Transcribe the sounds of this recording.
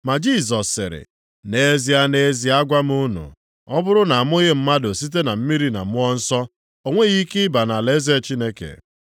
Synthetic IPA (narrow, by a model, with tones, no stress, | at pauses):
ma˨d͡ʒi˦˨z̬ɔ˨sːɪ̰˨ɾɪ̰˨ | ne˨e˦zi˦a˦ne˨e˦zi˦a˦ɡʷa˦m˦u˦nṵ˨ | ɔ˦bʊ˦ɾʊ˦na˨a˨m˦o˦ɣe˦m̩˦ma˦do˨si˦t̬e˦na˨m̩˦mi˦ɾi˦na̰˨mʊ˦ɔ˦n̩˦sɔ˦ | o˦ŋʷe˦ɣi˦kɪ˦ɪ˦ba˨na˨le˦ze˦˨t͡ʃi˦ne˦kḛ˨